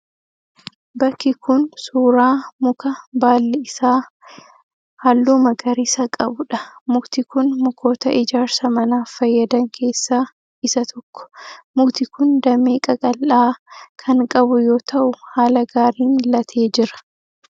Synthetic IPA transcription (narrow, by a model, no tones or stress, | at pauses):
bɐkːɪkʊnsuːɾaːmʊkɐbaːlːɛɪsaː | hɐlːuːmɐɡɐɾɪsɐkʼɐbʊᶑɐmʊɡt̪ɪkʊnmʊkʰo̞ːt̪ɐʔɪd͡ʒaːɾsɐmɐnaːfɐjːɐd̪ɐŋkʰe̞ːsːaː | ɪsɐt̪ʰɔkːɔ̥mʊɡt̪ɪkʊnd̪ɐmeːkʼɐkʼɐlʔaːkʰɐŋkʼɐbʊjo̞ːt̪ʰɐʔʊhaːlɐɡaːɾiːnɪlɐt̪ʰe̞ːd͡ʒɪɾɐ̥